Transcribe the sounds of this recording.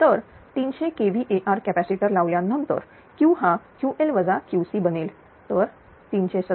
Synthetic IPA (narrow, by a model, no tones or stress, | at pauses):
t̪əɾ | t̪inɕẽkeʋiʔeʔaɾkæpæsiʈəɾlaʋljãnːənt̪ə̰ɾ | kĩwɦãkjuʔelʋəd͡zakjusiːbəneːl | t̪əɾ | t̪int͡ɕesə